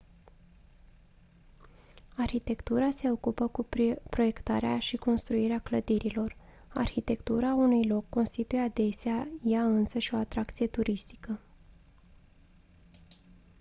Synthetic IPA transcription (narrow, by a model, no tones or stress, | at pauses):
arçit̪e̞kt̪uɾase̞o̞kupəkupɾo̞je̞kt̪a̰ɾeaʃiko̞nst̪ɾuiɾeakləd̪iɾilo̞r | a̰rçit̪e̞kt̪uɾaunujlo̞kːo̞nst̪it̪ujead̪e̞seajaɨnsəʃo̞at̪ɾakt̪sije̞t̪uɾist̪i̥kə